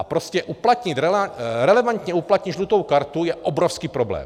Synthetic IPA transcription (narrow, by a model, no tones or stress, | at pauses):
apɾoscɛʔuplat̪ɲɪt̪ɾɛɾɛlɛvant̪ɲɛuplat̪ɲɪd̪ʒlut̪owkaɾt̪ujɛʔobɾofskiːpɾoblɛ̰ːm